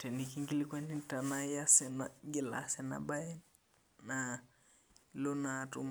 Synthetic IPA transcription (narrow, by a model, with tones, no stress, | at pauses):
tɛ˨niki˦ŋɡi˦li˦kwa˦ni˦nta˨na˦ja˦sɛ˨naɡɪ˨la̰sɛ˦na̰˨ba˦jɛ˦n | na | lo˦na˨tṵ˦m